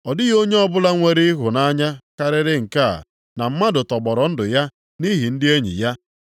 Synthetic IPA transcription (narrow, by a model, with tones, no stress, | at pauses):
ɔ˨dɪ˦ɣo˦ɲe˦ɔ˦bʊ˦la˦ŋʷe˦ɾɪ˦ɪ˦ɦʊ˨na˦ɲa˦ka˦ɾɪ˦ɾɪ˦ŋ̩˨ka̰˦˨ | na˨m̩˦ma˦dʊ˨tɔ˨ɡ͡bɔ˨ɾɔ˨n̩˦dʊ˨ja˦ | ni˦ɦi˨n̩˦dɪ˦e˦ɲḭ˨ja˦